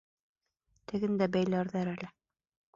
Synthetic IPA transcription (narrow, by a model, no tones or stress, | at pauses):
t̪ɘ̆ɡɘnd̪æbæjlæɾðæɾælɘ